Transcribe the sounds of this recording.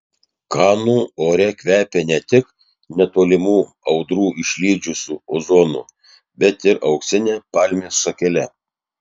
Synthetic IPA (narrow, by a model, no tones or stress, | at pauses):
kɑːnuːoːɾʲɛkʲʋʲæːpʲeːnʲɛt̪ʲɪk | nʲɛt̪oːlʲɪmuː | ɒʊd̪ɾuːʔɪʃʲlʲiːd͡ʒʲʊsʲuːoːzoːnṵː | bʲɛt̪ɪɾʔɐʊksʲɪnʲeːpɑːlʲmʲeːsʃɐkʲɛlʲɛ